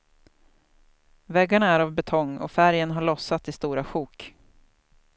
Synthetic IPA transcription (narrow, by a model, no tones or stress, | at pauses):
vɛɡːaɳaæɾavbɛt̪ʰɔŋːɔ̰fæɾjənɦaɭɔsːat̪ɪst̪uːɾaɧuːk